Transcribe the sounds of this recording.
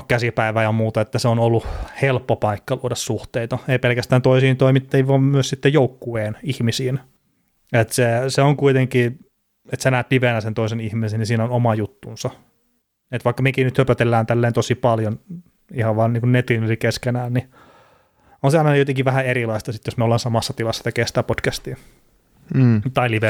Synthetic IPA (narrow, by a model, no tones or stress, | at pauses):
kæsipæiʋæːjɑmuːt̪ɑet̪ːæseonolːuhelpːopɑikːɑluodɑssuht̪eit̪ɑeipelkæst̪æːnt̪oisiːnt̪oimit̪ːeiʋʋɑːmmyøssit̪ːejoukːueːnihmisiːn | et̪seseoŋkuit̪eŋkiː | et̪senæːt̪liʋenæsent̪oisenihmisennisiːnonomɑjut̪ːunsɑ | et̪ʋɑikːɑmekinyt̪høpæt̪elːæːnt̪ælːeːnt̪osipɑljon | ihɑʋʋɑːnniːŋkunnet̪inylikeskenæːnni | onseɑinɑjot̪eŋkiʋæhæeɾilɑist̪ɑsit̪josmeolːɑːnsɑmɑsːɑt̪ilɑsːɑt̪ekeːsit̪æpod̥kæst̪iː | t̪ɑiliʋe